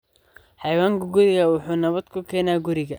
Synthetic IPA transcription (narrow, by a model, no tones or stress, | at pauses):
ħɑjwaːŋkʰɐɡʊɾɪɣɐwʊħuːnɐβɐd̪kʰʊkʰɛːnaːɡʊɾɪɣɐ